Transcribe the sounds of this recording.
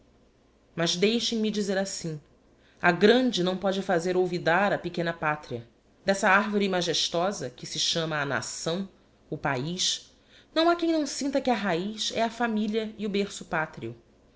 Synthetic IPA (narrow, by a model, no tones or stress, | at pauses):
mɐzd̪ejʃẽj̃mid͡ʒizeɾasĩ | aɡɾɐ̃nd͡ʒɪnɐ̃w̃pɔd͡ʒɪfazeɾowvid̪aɾɐpekẽnɐpat̪ɾiɐ | d̪ɛsɐaɾvoɾimaʒeʃt̪ɔzɐkɪsɪʃɐ̃mɐːna̰sɐ̃w̃ | ʊpaiʃ | nɐ̃w̃akẽj̃nɐ̃w̃sĩnt̪ɐkɪɐɦaiʃɛɐfamiʎiɐiʊbeɾsʊpat̪ɾiʊ